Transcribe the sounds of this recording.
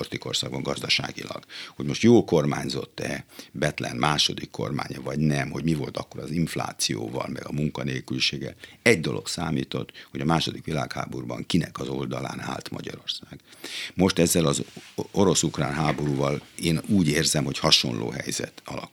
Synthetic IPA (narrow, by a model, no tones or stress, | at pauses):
rt̪iko̞rsaːɡbɒŋɡɒzd̪ɒʃa̰ːɡilɒ̰ɡ̥ho̞ɟmo̞ʃt̪joːlkormaːɲzo̞t̪ːɛbɛt̪lɛnmaːʃo̞d̪ikʰːo̰rma̰ːɲɒvɒɟnɛmho̞ɟmivo̞lt̪ɒkːo̞ɾɒziɱfla̰ːt̪sijo̰ːvɒ̰lmɛɡɒmuŋkɒneːlkylʃeːɡːɛ̰lɛɟd̪olʔo̞ksaːmiːt̪o̞t̪ho̞ɟɒmaːʃo̞d̪ikʋilaːkha̰ːborbɒŋkinɛkɒzo̞ld̪ɒla̰ːnaːlt̪mɒ̰ɟɒɾo̞rsaːɡ̥mo̞ʃt̪ɛzːɛlɒzoɾo̞sukraːnɦaːbo̞ɾuːvɒleːnuːɟeːrzɛmho̞chɒʃo̞̰nlʔo̰ːɦɛjzɛ̰t̪ɒlɒk